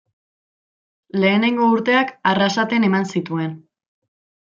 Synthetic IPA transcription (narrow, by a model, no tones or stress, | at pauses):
le̞ːne̞ŋɡo̞uɾt̪e̞akarasat̪e̞ne̞mansit̪ue̞n